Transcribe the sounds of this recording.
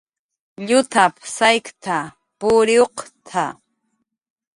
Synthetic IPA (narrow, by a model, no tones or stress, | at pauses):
ʎʊt̪apsajkt̪ʰa | pʊɾɪoqt̪ʰa